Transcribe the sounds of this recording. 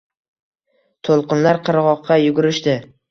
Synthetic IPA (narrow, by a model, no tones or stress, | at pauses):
t̪ʰolˠqɨnlaɾqʰɨɾʁɒqʰːɑjʊɡʊɾɪʃt̪ɪ